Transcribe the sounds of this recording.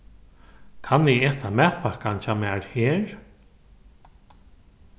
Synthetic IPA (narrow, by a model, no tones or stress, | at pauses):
kʰanːɪɛːt̪ʰamɛpakant͡ʃʰamɛːɹheːɹ